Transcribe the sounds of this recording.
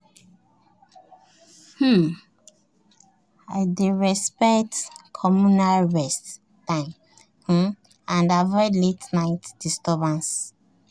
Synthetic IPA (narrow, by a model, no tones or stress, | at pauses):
h̩ | aɪdeɹɛspɛktkʰɔmunalɹɛst | tãm | h̩ | ãndavɔjdletnaɪtd̥istɔbãns